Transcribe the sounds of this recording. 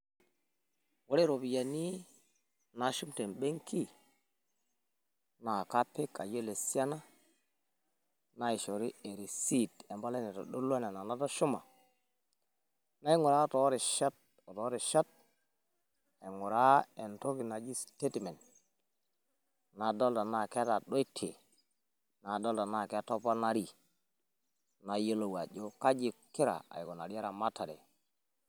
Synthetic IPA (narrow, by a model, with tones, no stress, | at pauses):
wo˦ɾe˦ɾo˨bi˨ja˨ni˦ | na˨ʃu˦mte˨nɓe˦ŋki˦ | na˨ka˦pe˦ka̰˨jo˦le˨si˦a˦na˦ | na˨˦i˨ʃo˨ɾi˦e˨ɾi˨si˦˨te˨mba˦le˦ne˨to̰˨ɗo˦la˦ne˨na˨na˨˦ta˦ʃu˦ma̰˨ | na˦i˦ŋu˨ɾa˦˨to˨˦ɾe˨ʃa˦t̚ | o˨to˨˦ɾi˨ʃa˦t̚ | a˨ŋu˨ɾa˦e˨nto˦ki˨na˨d͡ʒi˦ste˦tme˨nt | na˨do˦lda˨na˨ke˦ta˨ɗo˦i˦tʰḛ˨ | na˨do˦lda˨na˨ke˦to˦pa˦na˦ɾi˦ | na˨jo˦lo˨wa˨d͡ʒo˦ka˦d͡ʒi˨ki˦ɾa̰˨a̰˨jɡo˨na̰˨ɾi˦a˦ɾa˨ma˦ta˨ɾḛ˨